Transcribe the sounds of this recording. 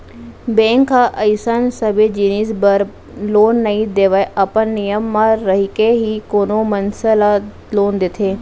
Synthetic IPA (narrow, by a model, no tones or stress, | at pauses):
bẽːŋkːaʔɐɪsansɐbed͡ʒiniːsbəɾ | loːnːɐĩd̪eːʋəɐpənːijəmːãɾɐɦikeɦikoːnomɐnsəla | loːnd̪ɪt̪ʰeː